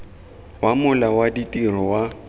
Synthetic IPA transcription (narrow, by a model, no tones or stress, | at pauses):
wamʊlawaditʼirɔwa